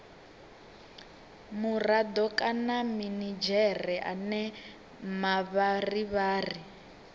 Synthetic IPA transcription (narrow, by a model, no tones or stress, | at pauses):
murad̪ɔkʼanaminid͡ʒɛrɛʔa̰nɛ | maβariβaːri